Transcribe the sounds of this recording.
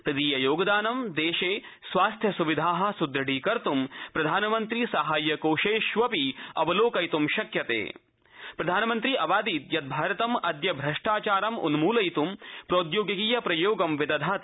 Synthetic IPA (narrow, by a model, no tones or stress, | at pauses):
p̪ɐd̪iːjɐjoːɡɐd̪aːnɐmd̪eːʃeːsʋaːst̪ʰjɐsuʋid̪ʱaːɦɐ̆sud̪ɾɐɽiːkɐɾt̪umpɾɐd̪ʱaːnɐmɐnt̪ɾiːsɐɦaːjːɐkoːʃeːʃʋɐpiɐʋɐloːkɐjt̪umʃɐkjɐt̪ḛː | pɾɐd̪ʱaːnɐmɐnt̪ɾiʔɐʋaːd̪iːt̪jɐt̪̚bʱaːɾɐt̪ɐmɐd̪jɐbʱɾɐʂʈaːt͡ʃaːɾɐmṵnumuːlɐjt̪umpɾoːt̪joːɡjɐkiːjɐpɾɐjoːɡɐmʋid̪ɐd̪ʱat̪